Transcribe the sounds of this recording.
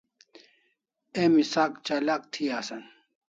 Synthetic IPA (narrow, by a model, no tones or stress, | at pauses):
eːmisaːkt͡ɕalaːk̚t̪ʰiaːsɐn